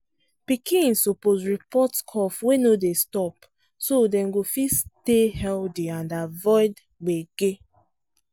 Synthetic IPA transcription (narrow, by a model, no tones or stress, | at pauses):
pikĩnsoposɹipɔtskʰɔfwenodestɔp | sodɛ̃nɡofistehɛldiãndavɔɪd | ɡ͡beɡe